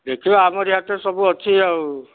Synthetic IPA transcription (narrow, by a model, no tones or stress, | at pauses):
d̪ekʰiɔamɔɾijat̪esɔbuɔt͡ʃʰia